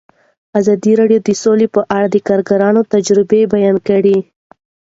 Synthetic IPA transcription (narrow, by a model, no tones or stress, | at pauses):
azɑd̪iɾɑɖjod̪əsolepəʔaɽad̪əkɑɾɡaɾɑnot̪ad͡ʒɾɪbebajɑnkaɽi